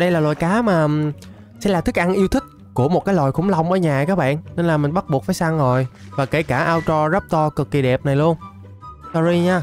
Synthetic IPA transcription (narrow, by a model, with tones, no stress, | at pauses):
ɗə˧jlaː˨˩lwa̰ː˨˩jkaː˨˦maː˨˩ | sɛ̰˧˥laː˨˩t̪ʰi˦˥k̚ʔa˧nʔi˧əwt̪ʰï˦˥k̟̚ku˧˩əmo˨˩t̚kaː˨˦jlwaː˨˩jxʊ˧˦ŋ͡mla˧wŋ͡mʔəː˧˦ɲaː˨˩kaː˦˥k̚ɓa̰ː˧˨nne˧nlaː˨˩mï˨˩ŋ̟ɓa˦˥t̚ɓu˨˩ək̚faː˨˦jsa˧ŋzo˨˩jvaː˨˩ke˧˩kaː˧˩ʔaː˧wt͡ɕɔ˧zə˦˥p̚t̪ɔ˧kɨ˨˩kːi˨˩ɗɛ˨˩p̚na˨˩jlu˧ən | sɔ˧zi˧ɲaː˧